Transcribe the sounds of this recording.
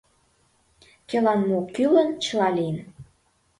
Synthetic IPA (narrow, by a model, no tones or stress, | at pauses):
kelɑnmokylənt͡ɕəlɑlijən